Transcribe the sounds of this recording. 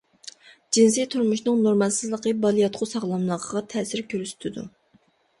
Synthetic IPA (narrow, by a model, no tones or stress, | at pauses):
d͡ʒinsijt̪ʰuɾmuʃnɨŋnoɾmɑlˠsɨzlˠəqəbɑlˠijɑt̪qʰʊsɑʁlˠɑmlˠəʁʰəʁɑt̪ʰɛːsɪɾkʲʰøɾsy̥t̪ʰɪd̪ṵ